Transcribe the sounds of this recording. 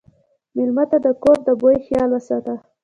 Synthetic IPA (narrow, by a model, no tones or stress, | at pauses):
mɪlmat̪ad̪əkoɾd̪əbojxjɑlwəsɑt̪a